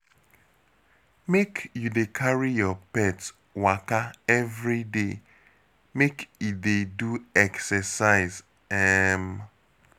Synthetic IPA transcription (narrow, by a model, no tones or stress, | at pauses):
mekjudekʰaɹijɔpɛt | wakaɛvɾide | mekideduɛksɛsaɪz | ɛm̩